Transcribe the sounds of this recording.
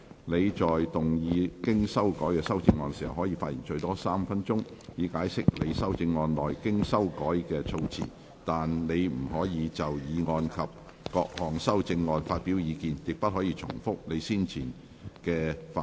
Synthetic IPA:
ne˨˧jt͡ʃɔː˨˩jt̪ʊ˨˩ŋjiː˨˧kɪ˥ŋsɐ˥wkɔː˨˥jkɛː˧sɐ˥wt͡sɪ˧ŋːɔː˧nsiː˨˩hɐ˨˩whɔː˨˥jiː˧faː˧t̚jḭː˨˩nt͡ʃɵ˧ɥt̪ɔː˥saː˥mfɐ˥nt͡sʊ˥ŋjiː˨˧kaː˨˥jsɪ˥k̚le˨˧jsɐ˥wt͡sɪ˧ŋːɔː˧nlɔː˨˩jkɪ˥ŋsɐ˥wkɔː˨˥jkɛː˧t͡sʰo˧wt͡sʰḭ˨˩ | t̪aː˨nle˨˧jm̩˨˩hɔː˨˥jiː˨˧t͡sɐ˨wjiː˨˧ŋɔː˧nkʰɐ˨p̚ | kɔː˧k̚hɔː˨˩ŋsɐ˥wt͡sɪ˧ŋːɔː˧nfaː˧t̚piː˨˥wjiː˨˧kiː˨njɪ˨k̚pɐ˥t̚hɔː˨˥jiː˧t͡sʰʊ̰˨˩ŋfʊ˥k̚ne˨˧jsiː˥nt͡sʰiː˨˩n | kɛː˧fa˧

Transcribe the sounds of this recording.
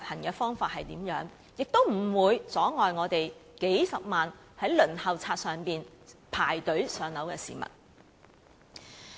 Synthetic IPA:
p̚hɐ˨˩nkɛː˧fɔː˥ŋfaː˧t̚hɐ˨jt̪iː˨˥mjœː˨˥ŋ | jɪ˨k̚t̪o˥wm̩˨˩wuː˨˧jt͡sɔː˨˥ŋɔː˨jŋɔː˨˧t̪e˨jke˨˥jsɐ˨p̚maː˨n | hɐ˨˥jlɵ˨˩nhɐ˨wt͡sʰaː˧t̚sœː˨ŋpiː˨npʰaː˨˩jt̪ɵ˨˥ɥsœː˨˧ŋnɐ˨˥wkɛː˧sḭː˨mɐ̰˨t̚

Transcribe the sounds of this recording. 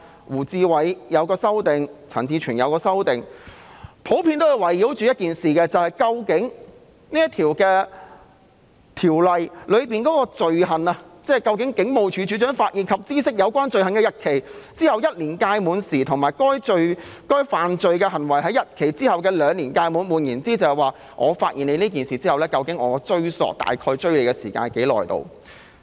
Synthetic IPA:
wuː˨˩t͡siː˧wɐ˨˥jjɐ˨˧wkɔː˧sɐ˥wt̪ɪ˨ŋt͡sʰɐ̰˨˩ŋt͡siː˧t͡ʃʰyː˨˩njɐ˨˧wkɔː˧sɐ˥wt̪ɪ˨ŋ | pʰo˨˥wpʰiː˧nt̪o˥wjwɐ˨˩jːiː˨˥wt͡ʃyː˨jɐ˥t̚kiː˨nsiː˨kɛː˧t͡sɐ˨whɐ˨jkɐ˧wkɪ˨˥ŋ | niː˥jɐ˥t̪ʰiː˨˩wkɛː˧ | t̪ʰiː˨˩wlɐ˨jlɵ˨˧ɥpiː˨nkɔː˨˥kɔː˧t͡sɵ˨ɥɦɐ˨nɐ˧t͡sɛː˥˩kɐ˧wkɪ˨˥ŋkɪ˨˥ŋmo˨˧wt͡ʃʰyː˨˧t͡ʃyː˨˥t͡ʃœː˨˥ŋfaː˧t̚ʔiː˨˩nkʰɐ˨p̚t͡siː˥sɪ˥k̚jɐ˨˧wkʷaː˥nt͡sɵ˨˧ɥɦɐ˨nkɛː˧jɐ˨t̚kʰe˨˩jt͡siː˥hɐ˨˧wjɐ˥t̚liː˨˩nkaː˧jmuː˨˧nsiː˨˩t̪ʰʊ˨ŋmaː˨˩jkɔː˥jt͡ʃɵ˧ɥkɔː˥jfaː˨nt͡ʃɵ˧ɥkɛː˧hɐ˨˩nwɐ˨˩jɦɐ˨˥jɐ˨˩t̚kʰe˨˩jt͡siː˥hɐ˨wkɛː˧lœː˨˧ŋliː˨˩nkaː˧jmuː˨˧˥nmuː˨˩njiː˨˩nt͡siː˥t͡sɐ˨˧hɛ˨˩waː˨ | ʔɔ̰ː˨˧faː˧t̚ʔiː˨nle˨˧jniː˥k̬iː˨nsiː˨t͡siː˥ɐ˨wlɛː˥kɐ˧wkɪ˨˥ŋɔː˨˧kɔ˧t͡sɵ˥ɥsɔ̰ː˨k̚t̪a̰ː˨˩jkʰɔː˧jt͡ʃɵ˥ɥle˨˧jkɛː˧siː˨˩ka̰ː˧nke˨˥jlɔ̰ː˨jt̪o̰˧w

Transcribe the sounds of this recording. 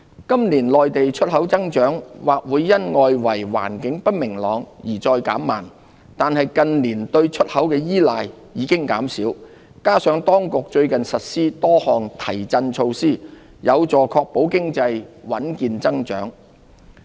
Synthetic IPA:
kɐ˥mliː˨˩nlɔː˨jt̪e˨jt͡ʃʰɵ˥t̚hɐ˨˥wt͡sɐ˥ŋt͡ʃœː˨˥ŋwaː˨k̚wuː˨˧jːɐ˥nŋɔː˧jwɐ˨˩jwa̰ː˨˩nkɪ˨˥ŋpɐ˥t̚mɪ˨˩ŋlɔː˨˧ŋjiː˨˩t͡sɔː˧jkaː˨˥mːaː˨˩n | t̪aː˨nhɐ˨jkɐ˨nliː˨˩nt̪ɵ˧ɥt͡ʃʰɵ˥t̚hɐ˨˥wkɛː˧jiː˥laː˨jː | iː˨˧˥kɪ˥ŋka̰ː˨˥msiː˨˥w | kaː˥sœː˨˥ŋt̪ɔː˥ŋkʊ˨k̚t͡ʃɵ˧ɥkɐ˨nsɐ˨t̚siː˥t̪ɔː˥hɔː˨ŋt̪ʰɐ˨˩jt͡sɐ˧nt͡ʃʰo˧wsiː˥ | jɐ˨˧wt͡sɔː˨kʰɔː˧k̚po˨˥wkɪ˥ŋt͡sɐ˧jwɐ˨˥nkiː˨nt͡sɐ˥ŋt͡ʃœ̰ː˨˥ŋ

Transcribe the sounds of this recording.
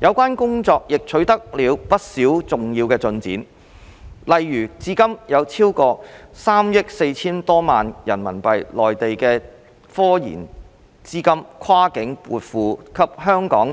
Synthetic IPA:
jɐ˨˧wkʷaː˥nkʊ˥ŋt͡sɔː˧k̚jɪ˨k̚t͡ʃʰɵ˨˥ɥt̪ɐ˥k̚liː˨˧wpɐ˥t̚siː˨˥wt͡sʊ˨ŋjiː˧wkɛː˧t͡sɵ˧nt͡sḭː˨˥n | lɐ˨jːyː˨˩t͡siː˥kɐ˥mjɐ˨˧wt͡sʰiː˥wkɔː˧saː˥mjɪ˥k̚se˧jt͡sʰiː˥nt̪ɔː˥maː˨njɐ˨˩nmɐ˨˩npɐ˨jlɔː˨jt̪e˨jkɛː˧ | fɔː˥jḭː˨˩n | t͡siː˥kɐ˥mkʰwaː˥kɪ˨˥ŋpṵː˨t̚fuː˨kʰɐ˨p̚hœː˥ŋkɔː˨˥ŋ

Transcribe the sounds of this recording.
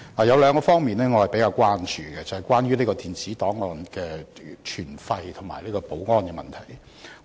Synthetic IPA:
laː˨˩jɐ˨˧wlœː˨˧ŋkɔː˧fɔː˥ŋmiː˨nɛː˥ŋɔ˨˧hɐ˨jpe˨˥jkaː˧wkʷwaː˥nt͡ʃyː˨ɡɛ˧t͡sɐ˨whɐ˨jkʷwaː˥nɥyː˥liː˥˩kɔː˧t̪iː˨˩nt͡siː˨˥t̪ɔː˨˥ŋɔː˧nkɛː˧t͡ʃʰyː˨˩nfɐ˧jt̪ʰʊ˨˩ŋma̰ː˨˩jliː˥kɔː˧po˨˥wŋɔː˥nkɛː˧mɐ̰˨nt̪ʰɐ˨˩j

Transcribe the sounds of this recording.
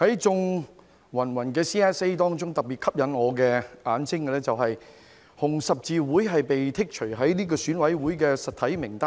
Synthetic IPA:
hɐ˨˥jt͡sʊ˧ŋ | wɐ˨˩nwɐ˨˩nkɛː˧siː˥ɛː˥se˥jt̪ɔː˥ŋt͡ʃʊ˥ŋt̪ɐ˨k̚piː˨t̚kʰɐ˥p̚jɐ˨˧nŋɔː˨˧kɛː˧ʔaː˨˧˥nsɪ˥ŋkɛ˧lɛ˥t͡sɐ˨wɦɐ˨j | hʊ˨˩ŋsɐ˨p̚t͡siː˨˧wuː˨˥jɦɐ˨jpe˨jt̪ʰɪ˥k̚t͡ʃʰɵ˨˩ɥɦɐ˨˥jniː˥kɔː˧syː˨˥nwɐ˨˥jwuː˨˥jkɛː˧sɐ˨t̪ʰɐ˨˥jmɪ˨˩ŋt̪aː˥

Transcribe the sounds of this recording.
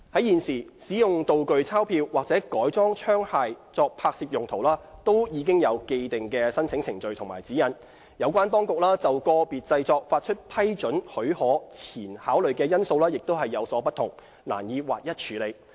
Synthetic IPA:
hɐ˨˥jiː˨nsiː˨˩siː˨˥jʊ˨ŋt̪o˨wkɵ˨ɥt͡sʰaː˥wpʰiː˧wːaː˨k̚t͡sɛː˨˥kɔː˨˥jt͡sɔː˥ŋt͡ʃʰœː˥ŋhaː˨˧jt͡sɔː˧k̚pʰaː˧k̚siː˧p̚jʊ˨ŋt̪ʰo˨˩wlaː˥t̪o˥wjiː˨˧k̬ɪ˥ŋjɐ˨˧wke˧jt̪ɪ˨˩ŋkɛː˧sɐ˥nt͡sʰɪ˨˥ŋt͡sʰɪ˨˩ŋt͡sɵ˨˧ɥt̪ʰʊ˨˩ŋmaː˨˩jt͡siː˨˥jɐ˨˥n | jɐ˨˧wkʷaː˥nt̪ɔː˥ŋkʊ˨k̚laː˥t͡sɐ˨wkɔː˧piː˨t̚t͡sɐ˧jt͡sɔː˧k̚faː˧t̚t͡ʃʰɵ˥t̚pʰɐ˥jt͡sɵ˨˥nhɵ˨˥ɥhɔː˨˥t͡sʰiː˨˩nhaː˨˥wlɵ˨ɥkɛː˧jɐ˥nso˧wlaː˥jɪ˨k̚t̪o˥whɐ˨jːɐ˨˧wsɔː˨˥pɐ˥t̪ʰʊ˨˩ŋ | la̰ː˨˩njiː˨˧wa̰ː˨˩k̚jɐ˥t̚t͡ʃʰyː˨˥le˨˧j

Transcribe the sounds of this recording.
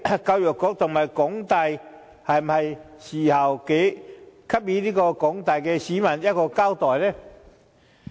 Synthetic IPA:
ka˧wjɔ˨˩kːɔ˨˥k̚t̪ʊ˨˩ŋhɐ˨˩jkʊ˨˥ŋt̪a˧˨j | hɐ˨jm̩˨˩hɐ˨˩jɕiː˨˩hɐ˨˩wke˨˥jkʰa˥p̚ji˨˥liː˥kɔː˧kɔ˨˥ŋt̪a˨jkɛ˧siː˨˥mɐ˨˩njɐ˥t̚kɔː˧kaː˥wt̪ɔː˨˩jlɛ˦˧

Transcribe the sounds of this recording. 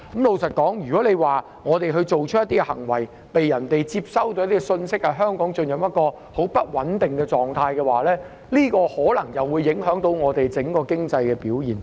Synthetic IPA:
mlo˨˧wsɐ˨t̚kɔː˨˥ŋjyː˨kɔ˨˥le˨˧jwaː˨ | ŋɔː˨˧t̪e˨jɦɵ˧t͡ʃo˨wt͡ʃʰɵ˥jɐ˥t̪i˥ɛ˧hɐ̰˨˩ŋwɐ˨˩j | pe˨jːɐ˨˩nt̪e˨jt͡siː˧p̚sɐ˥wt̪o˧jɐ˥t̪iː˥ɛ˧sɵ˧nsɪ˥k̚hɐ˨jɦœː˥ŋkɔː˨˥ŋt͡ʃɵ˧njɐ˨p̚jɐ˥t̚kɔː˧ | ho˨˥wpɐ˥t̚wɐ˨˥nt̪ɪ˨ŋkɛː˧t͡sɔː˨˩ŋt̪ʰaː˧jkɛ˧waː˨lɛː˥ | liː˥kɔː˧hɔː˨˥lɐ˨˩ŋjɐ˨wuː˨˧jːɪ˨˥ŋɦœː˨˥ŋt̪o˨˧wŋɔː˨˧t̪e˨jt͡sɪ˨˥ŋkɔː˧kɪ˥ŋt͡sɐ˧jkɛː˧piː˨˥wjiː˨˩n

